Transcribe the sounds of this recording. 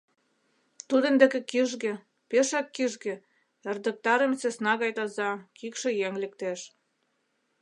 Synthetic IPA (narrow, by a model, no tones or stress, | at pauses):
t̪ud̪ə̆nd̪ĕkĕkiʒɣĕ | peʃɑkːiʒɡĕ | ĕrd̪ə̆k̚t̪ɑɾə̆mt͡sesnɑɣɑjt̪ɑzɑkikʃĕjeŋlĕk̚t̪eʃ